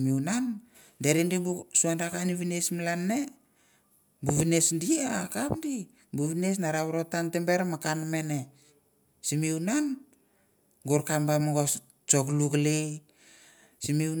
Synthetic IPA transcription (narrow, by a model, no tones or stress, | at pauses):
miwnan | deɾindibusuandakaniβinesmalanːe | buβinesdiakapdi | buβines̬naɾaβɾotantembeɾmakanme̞ne | simiunan | ɡuɾkambamaɡos | t͡ʃoklukle | simiu